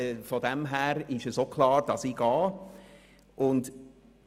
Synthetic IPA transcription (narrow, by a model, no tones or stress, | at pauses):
fɔdɛmɦæːɾɪʃəsokʰlɑːɾd̥ɑsiɡ̥ɑː | ʔʊnd